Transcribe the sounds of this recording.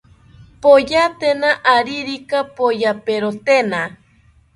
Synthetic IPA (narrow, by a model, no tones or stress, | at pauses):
pojat̪enaʔaɾiɾikapojapeɾot̪ena